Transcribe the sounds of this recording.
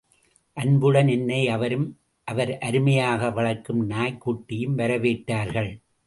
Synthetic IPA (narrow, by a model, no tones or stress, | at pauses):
ʔɐnbɯɽɐnɛnːɐɪɐʋɐɾɯm | ʔɐʋɐɾʔɐɾɯmɐjaːɣɐʋɐɭɐkːɯmnaːjkːuːʈːɪjɯmʋɐɾɐʋeːʈːaːɾɣɐɭ